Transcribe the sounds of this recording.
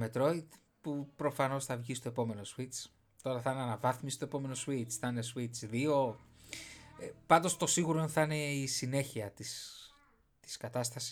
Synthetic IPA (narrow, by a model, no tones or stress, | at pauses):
met̪ɾo̞id̪ | pupɾo̞fɐno̞sθɐvʝist̪o̞epo̞me̞no̞swit͡s | t̪o̞ɾɐθɐneɐnɐvɐθmisi̥st̪o̞e̞po̞me̞noswit͡sθɐine̞swit͡sðio̞ | epɐnd̪o̞st̪o̞siɣuɾo̞inθɐine̞isine̞çiɐt̪is | t̪i̥skɐt̪ɐst̪ɐsi̥